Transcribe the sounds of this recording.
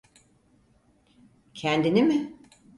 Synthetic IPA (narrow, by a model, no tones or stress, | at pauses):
cʰænd̪inimɪ